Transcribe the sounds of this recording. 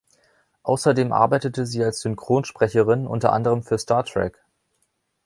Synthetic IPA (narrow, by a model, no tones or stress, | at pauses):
ʔa̰ʊsɐdeːmʔa̰ɐbaɪtətəziːalsz̥ʏnkʁ̥oːnʃpʁ̥ɛçəʁɪnʔʊ̰ntɐʔa̰ndəʁ̞əmfyːɐstaːɐtʁ̥ɛ̰k